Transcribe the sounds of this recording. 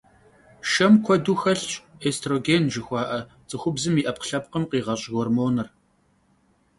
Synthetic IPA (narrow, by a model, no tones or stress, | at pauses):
ʃɐmkʷʰɔduːxɐɬt͡ʃʼeːstʰroːɡeːnʒɪxʷɑːʔɐ | t͡sʼɨxʷʊbzɨmiːʔɐp̚qɬɐp̚qəmqiːʁɐɕʼɣormoːnɨr